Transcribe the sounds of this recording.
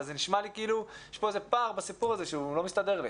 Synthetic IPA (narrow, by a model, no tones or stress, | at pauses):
zeniʃmalikiiːlujɛʃpo̞ezepaːʁbasipuʁaze̞ʃeulo̞mist̪ad̪e̞ʁlḭ